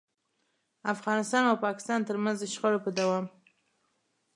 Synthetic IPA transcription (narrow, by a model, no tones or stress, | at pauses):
afɣɑnɪst̪ɑnawpɑkɪ̥st̪ɑnt̪əɾmanzd̪əʃxəɽopəd̪awɑm